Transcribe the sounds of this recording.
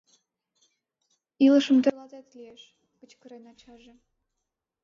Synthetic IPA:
ilɤ̆ʃə̆md̪elˠɑd̪ɑt̪lʲijeʃ | kə̆t͡ɕkə̆ɾenɑt͡ɕɑʒĕ

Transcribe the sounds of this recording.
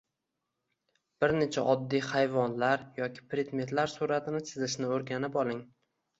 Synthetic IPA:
b̥ɪɾne̞t͡ʃʰaʔɒd̪ːijhajvɒnlaɾjɒkʲʰɪ̥pɾɪd̪met̪laɾsuɾat̪ʰɪnɪt͡ʃ̪ʰɪzɪʃnɪoɾɡʲanɪpɒlˠɪŋ

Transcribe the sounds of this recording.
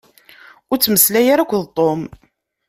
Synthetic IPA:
ʊɾt͡sːməslæjaɾækʷːðt̪ˤːom

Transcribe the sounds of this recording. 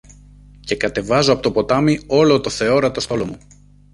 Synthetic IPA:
ce̞kɐt̪e̞vɐzoɐpo̞t̪opo̞t̪ɐmio̞lo̞t̪o̞θe̞o̞ɾɐt̪ost̪o̞lomu

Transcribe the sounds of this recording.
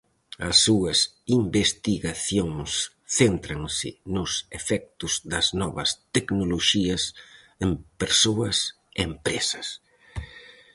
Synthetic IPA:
ɐsːuɐs | imbest̪iɣaθjoŋs | θent̪ɾɐŋsɪ̰nʊsefɛk̚t̪ʊz̥d̪ɐznɔβɐ̰st̪eknoloʃiɐs | empeɾsoɐs | empɾesɐ̥s

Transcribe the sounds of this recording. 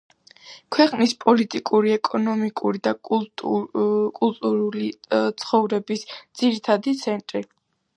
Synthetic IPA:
kʰwɛqʼnispʼɔlit̪ʼikʼuɾiɛkʼɔnɔmikʼuɾid̪akʼ | kʼulˠt̪ʼuɾulit̪sʰχɔvɾɛbisd̪z̥iɾit̪ʰad̪it̪sʰɛnt̪ʼɾi

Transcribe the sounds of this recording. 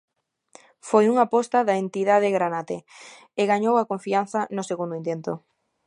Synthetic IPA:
fojuŋapɔst̪aðaent̪iðaðɪɣɾanat̪e | ɪɣaɲowakoɱfian̟θɐnʊseɣund̪ʊint̪ent̪o

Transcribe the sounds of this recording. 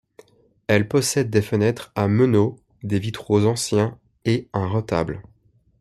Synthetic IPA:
ɛlpɔsɛd̪̚ːefənɛt̪χaməno | d̪evit̪χozɑ̃sjɛ̃ | eɛ̃ʁɔt̪a̰bl

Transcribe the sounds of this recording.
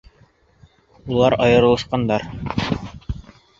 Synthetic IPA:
ulˠɑɾɑjɤ̆ɾɤlˠɤ̆ʃqɑnd̪ɑɾ

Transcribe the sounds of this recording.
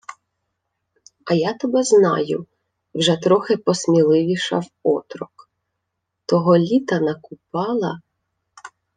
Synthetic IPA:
ɐjat̪ɔbɛznɑ̰jʊ | wʒɛt̪ɾɔxɪpɔsmʲilˠɪʋʲiʃɐ̰wɔt̪ɾɔk | t̪ɔɦɔlʲit̪ɐnɐkʊpɑlˠɐ

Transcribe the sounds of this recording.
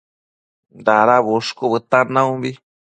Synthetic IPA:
d̪aɾaβuʂkuβɨt̪anãumbi

